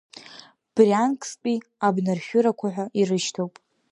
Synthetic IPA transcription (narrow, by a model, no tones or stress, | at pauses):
b̥riankʼʰspʼiabnarʃʲᶣʊɾakʷʰaħʷᶣaʔirɨʃtʰowpʼ